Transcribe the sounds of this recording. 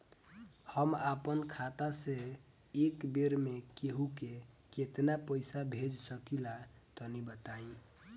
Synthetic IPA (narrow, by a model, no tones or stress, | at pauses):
həmapənkʰat̪ase | ekbeɾmekeɦuke | ket̪napəjsabʱed͡ʒsəkilat̪ɔnibət̪aĩ